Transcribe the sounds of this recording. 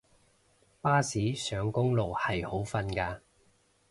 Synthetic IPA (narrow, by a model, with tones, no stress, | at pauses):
paː˥siː˨˥sœː˨˧ŋkʊ˥ŋlo˨whɐ˨jho˨˥wfɐ˧nkaː˧